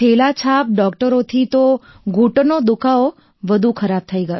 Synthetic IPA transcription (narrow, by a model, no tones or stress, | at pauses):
elat͡ʃʰap̚ɖɔkʈəɾot̪ʰit̪o | ɡʱuʈnod̪ʊkʰao | ʋəd̪ʱukʰəɾab̚t̪ʰəiɡəjo